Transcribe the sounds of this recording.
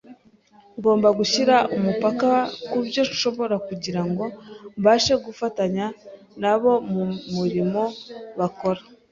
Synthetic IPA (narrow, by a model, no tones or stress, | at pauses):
ŋɡo̞ːmbaɡuçiɾaumupakakubjo̞ʃo̞βo̞ɾakuɟiɾaŋɡo̞mβaːʃe̞ɡufataɲa | naβo̞mumuɾimo̞βako̞ɾḁ